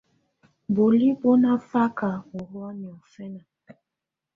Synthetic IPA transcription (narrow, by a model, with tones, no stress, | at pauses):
bo˨li˦bo˦na˦fa˦ka˨o˨ɾu˦a˦ni˨ɔ˨fɛ˦na˨